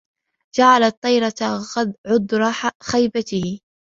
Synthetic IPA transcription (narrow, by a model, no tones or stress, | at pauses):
d͡ʒaʕalat̪ˤːɑjɾˤɑt̪ɑd̪ʕʊd̪ːɾˤɑħxajbat̪ɪhɪ